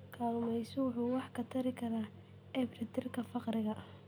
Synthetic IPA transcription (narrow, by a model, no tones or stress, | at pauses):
kʰaːlmɛjsɔwʊħuːwɑħkʰɐt̪ʰɐɾɪkʰɐɾaː | ɛbrɪt̪ʰɪrkʰɐfɑqrɪɣɐʔɐh